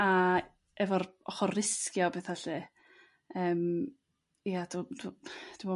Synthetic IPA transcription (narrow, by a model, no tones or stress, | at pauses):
a | ɛvɔrɔχɔrɪskjɔbeθaɬi | əːm | iad̥udd̥ɪmɔ